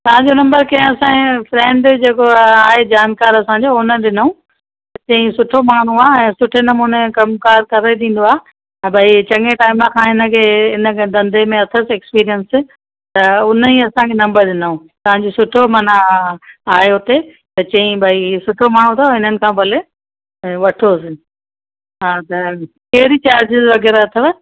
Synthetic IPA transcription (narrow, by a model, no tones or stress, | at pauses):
t̪ɐʋ̤ãɲd͡ʑonɐ̃mbəɾkɐ̃ɦẽɐsãːĩfɾɛ̃ːɳɖd͡ʑeːkoaːɦed͡ʑaːnkaːɾɐsãɲ̆d͡ʑoːʊnəɗɪnəũ | t͡ɕɐ̃ĩsʊʈʰomaːɽ̤̃ũaːɛ̃ːsʊʈʰenɐmuːnekɐmkaːɾkɐɾait̪ĩːn̆d̪oaːɦẽ | bʱait͡ɕɐŋeʈaːɪmãkʰãːɦɪnə̆kʰeːɪnəd̪ɐ̃nd̪ʱemẽɐt̪ʰəsɛːkspiːɾijəns | t̪ɐʊnəiɐsãkʰeːnɐ̃mbəɾd̪ɪnaũ | t̪ɐʋãɲd͡ʑosʊʈʰomɐna | aːjot̪e | t̪ɐt͡ɕɐ̃ĩbʱaisʊʈʰomaːɽ̤̃ũt̪ʰoɦɪn̤ənɪ̆kʰãːpɐle | ʋɐʈʰosɪ | ɦaːt̪ɐ | kɛːɾit͡ɕaːɾd͡ʑɪzʋɐɡɛːɾaɐt̪ʰəʋ